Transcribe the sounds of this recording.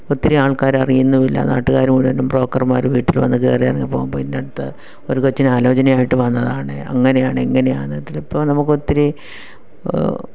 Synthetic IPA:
ot̪ːiɾeaːɭkaːɾɐrijunːuʋilːɐ̰naːʈːuɣaːɾjɐmɡuːɽiʋɐnːumbro̞ːkːɐrmaːɾʋiːʈːilʋɐnːɨkeːrijaːrŋɡilpo̞ːɣumboːinːeɽut̪ːɐ | oɾukot͡ɕːinaːlo̞ːt͡ɕɐnɐmaːjiʈːɨʋɐnːɐðaːɳɨɐ̰ŋːɐne̞jaːɳɨeŋːɐne̞jaːnɨt̪ːilipːoːnɐmukːo̞t̪ːiɾe

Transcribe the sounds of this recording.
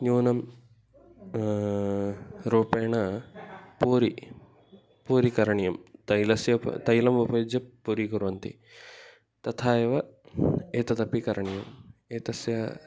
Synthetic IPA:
nuːnɐm | ɾuːpeːɳɐ | puːɾi | puːɾikɐɾɐɳijɐmt̪ɐjlɐsjɐ̰t̪ɐjlɐmupɐjud͡ʒjɐpːuɾikuɾʋɐnt̪ḭ | t̪ɐt̪ʰaːjɐʋɐ | eːt̪ɐt̪ɐpikɐɾɐɳijɐmeːt̪ɐsjɐ

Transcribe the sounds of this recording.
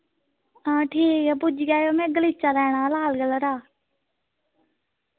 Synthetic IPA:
ãːʈʰiːkɛbʊd͡ʒɡaːjoːmẽːɡəliːt͡ʃaːd̪aːɳãːlaːlɡələɾaː

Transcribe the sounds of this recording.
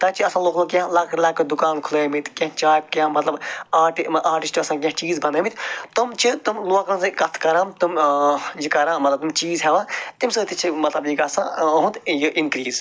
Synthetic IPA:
t̪ãt͡ʃʰiɐsãːloːklokʲjãlakʰlɐkd̪ukaːnkʰuleːmit̪kɐ̃ɦt͡ʃaːkːãmɐt̪lɐbaːʈiʔaːɾʈisʈiɐsãːk̬ʲɐ̃ɦt͡ʃiːzbɐnd̪ɐmit̪ʰt̪umt͡ʃʰit̪umluaːkɾãnsɨkɐt̪ʰkɐɾãːmt̪umjikɐɾãːmɐt̪lɐb̚t̪umt͡ʃiːzɦɛʋaːt̪imsɨt̪it͡ʃʰimɐt̪lɐbjikasãɦũt̪jiʔinkɾiːz

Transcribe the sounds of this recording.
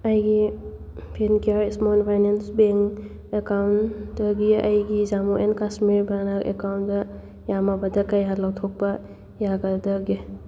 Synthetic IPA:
ɐjɡi | pʰinkiaɾismonpʰajnensbeŋ | ekawndɐɡiɐ̰jɡizamoʔenkasmiɾbanakḛkawntdɐ | jamɐbɐdɐkɐjɦatlawtʰok̚pɐ | jaɡɐdɐɡi

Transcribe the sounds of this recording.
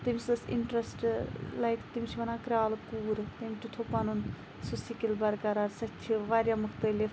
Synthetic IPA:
t̪imʲisɐsḭɳʈɾɐsʈlɐjk̪ʰt̪imʲit͡ʃʰiʋɐnaːkɾʲaːlkuːɾt̪emʲʈ̪ut̪ʰopɐnun | susikilbɐɾkɐɾaɾsɐt͡ʃʰiʋaːɾʲjamʊxt̪ɐlif

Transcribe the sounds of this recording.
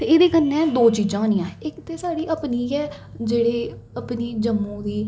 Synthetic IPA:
t̪eːeːd̪eːkənːɛ̃ːd̪oːt͡ʃiːd͡ʒãːnĩːãːɪkt̪eːsaːɽiːʔəpniːɛː | d͡ʒeːɽeː | əpniːd͡ʒəmːõːd̪iː

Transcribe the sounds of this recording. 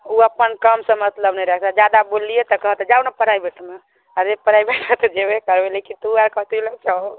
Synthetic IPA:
uəpːənkəmsə̃mət̪ləbnɛjɾɛkʰt̪ad͡ʒad̪abolijet̪əkəɦət̪ɛd͡ʒaunapəɽ̤aibeʈʰme | aɾepəɽaibeʈʰat̪ed͡ʒebekəɾbelekint̪uaɾkət̪ilət͡ʃao

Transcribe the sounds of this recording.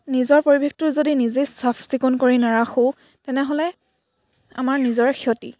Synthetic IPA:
nizɔɹpoɹibʱektʊzodinizesapʰz̥ikɔnkoɹinaɹaxo | tɛnɛɦolɛ | a̰maɹnizɔɹxiɔtḭ

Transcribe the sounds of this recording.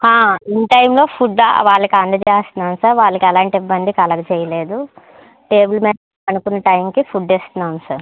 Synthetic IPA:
haːinʈɐjmlo̞ːpʰuɖa̰ʋaːɭːɐkiɐnd̪ɐd͡ʒeːst̪unaːnsɐɾʋaːɭːɐkiɐlaːɳʈibːɐnd̪ikɐlɐɡɐt͡ʃɛjɐleːd̪u | ʈe̞ːbulmeː | ɐnukunːɐʈɐjmkipʰuɖd͡ʒeːst̪unaːnsɐɾ

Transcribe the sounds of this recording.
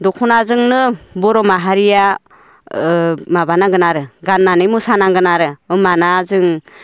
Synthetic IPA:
dɔkʰunazɯŋnɯbɔɾɔmaɦaɾija | mabanaɡɯnaɾɯɡanːanɯjmusanaŋɡɯnaɾɯɯmanazɯŋ

